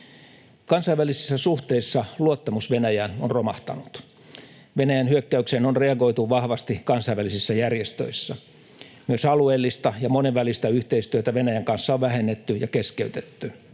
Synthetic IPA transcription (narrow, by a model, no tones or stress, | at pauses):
kɑnsɑiʋælisi̥sːæsuht̪eisːɑluot̪ːɑmusʋenæjænonromɑht̪ɑ̰nut̪ | ʋenæjænhyøkːæykseːnonreɑɡo̞it̪uʋɑhʋɑst̪ikɑnsɑiʋælisisːɑjærjest̪ø̰isːɑ | myøsɑlueːlːist̪ɑjɑmoneʋʋælist̪æyht̪eist̪yøt̪æʋenæjæŋkɑnsːɑoʋʋæhenːet̪ːyjɑkeskeyt̪et̪ːy